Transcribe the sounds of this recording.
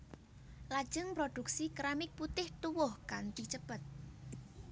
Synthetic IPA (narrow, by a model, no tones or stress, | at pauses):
lad̥ʒ̥əŋpɾod̪̥uk̚sikɾamɪk̚put̪ɪht̪uwʊhkant̪it͡ʃəpət̪̚